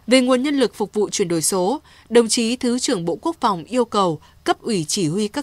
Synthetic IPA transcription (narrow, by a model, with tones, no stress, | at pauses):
ve˨˩ŋu˨˩ənɲə˧nlɨ˨˩k̚fʊ˨˩k͡p̚vṵ˧˨t͡ɕwi˧˩ənɗo˧˩jso˨˦ | ɗə˨˩wŋ͡mt͡ɕi˨˦t̪ʰɨ˨˦t͡ɕɨ˧˩əŋɓo̰˧˨ku˦˥ək̚fa˨˩wŋ͡mʔi˧əwkə˨˩w | kə˦˥p̚ʔwi˧˩t͡ɕi˧˩hwi˧kaː˦˥